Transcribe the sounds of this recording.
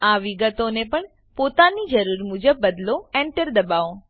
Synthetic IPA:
aʋiɡət̪onepəɳ | pot̪anid͡ʒəɾuɾmud͡ʒəbːəd̪loɛɳʈəɾd̪əbao

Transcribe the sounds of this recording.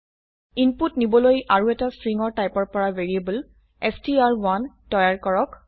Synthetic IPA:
inputnibɔlojʔaɹuɛtastɹiŋɔɹtajpɔɹpɔɹaveɹiebul | ɛstiaɹwantɔjaɹkɔɹɔk

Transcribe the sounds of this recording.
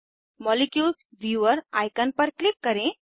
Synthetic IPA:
mɔlikjulsʋjuʋəɾajkənpəɾklikːəɾẽ

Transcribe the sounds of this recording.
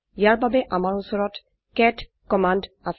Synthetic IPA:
jaɹbabeʔamaɹɔnsɔɹɔt | kɛt | kɔmand | as

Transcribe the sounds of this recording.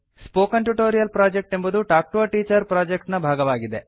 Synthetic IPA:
spoːkɐnʈuʈoːɾijɐlpɾaːd͡ʒek̚ʈe̞mbɐd̪uʈaːk̚ʈuɐʈiːt͡ʃɐɾpɾaːd͡ʒek̚ʈnɐbʱaːɡɐʋaːɡid̪e

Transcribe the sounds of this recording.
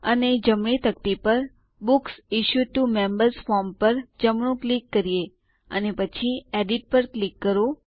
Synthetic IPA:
əned͡ʒəmɳit̪ək̚t̪ipəɾ | buksiʃuʈumembəɾzfɔɾmpəɾd͡ʒəmɳũklikːəɾije | ə̰nepət͡ʃʰieɖiʈ̚pəɾklikːəɾo

